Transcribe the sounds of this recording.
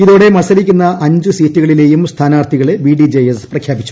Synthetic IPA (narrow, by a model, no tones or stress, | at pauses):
iðo̞ːɽe̞mɐsɐlikʲːunːɐʔɐɲd͡ʑɨsiːtːuɣɐɭile̞ːjumst̪ʰaːnaːrt̪ʰiɣɐɭeʋiːɖid͡ʑejesprɐkʰjaːbit͡ɕːu̥